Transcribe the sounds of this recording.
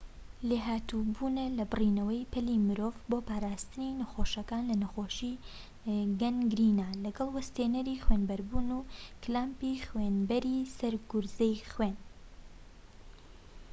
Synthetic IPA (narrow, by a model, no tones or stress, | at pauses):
leɦaːt̪ubuːnɐlɐbɨrinɐwɐjpʰɨlimɨɾoːvboːpaːɾaːst̪ɨninɐxoːʃɐkaːnlɐnɐxoːʃi | ɡɐnɡɾinalɐɡɐlˠwɐst̪eːnɐɾixweːnbɐɾbuːnuklaːmpixwenbɐɾisɐɾɡʊɾzɛjxwen